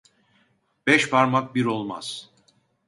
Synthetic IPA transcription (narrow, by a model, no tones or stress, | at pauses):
b̥ɛʃpʰaɾmak̚biɾo̞lˠma̰z̥